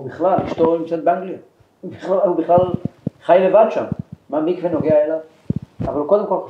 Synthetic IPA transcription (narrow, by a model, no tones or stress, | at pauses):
ubiχlaliʃt̪oʁjomkt͡sat̪̚beaŋɡlia | ubiχlahubiχlalχajalevad̪ʃamːamikvenoɡeaelav | avaluko̞d̪e̞mko̞l